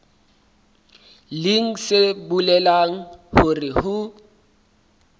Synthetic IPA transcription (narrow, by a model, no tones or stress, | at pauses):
lɪŋ̩sɪbulɛlaŋ̩hʊrɪhʊ